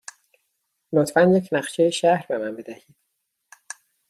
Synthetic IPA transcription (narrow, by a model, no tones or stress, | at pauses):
not̪ʰfænje̞cʰnæɢʃejeʃæhɾbe̞mænbe̞d̪æhiːd̪̥̚